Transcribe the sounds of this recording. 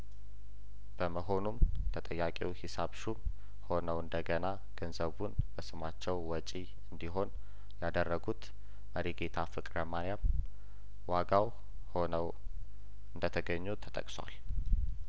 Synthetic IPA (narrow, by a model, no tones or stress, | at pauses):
b̥əməɦo̞numt̪ʰət̪ʼəjːakʼiwhisaβʃum | ho̞nəwɨnd̪əɡəna | ɡ̥ənzəβunb̥əsɨmat͡ʃːɛwwɔt͡ʃʼi | ɨnd̪iɦo̞n | jad̪ərːəɡut̪ | məɾiɡe̞t̪ʰafɨkʼɾəmanjam | waɡaw | ho̞nəw | ɨnd̪ət̪ʰəɡəɲːut̪ʰət̪ʼə̰kʼswa̰l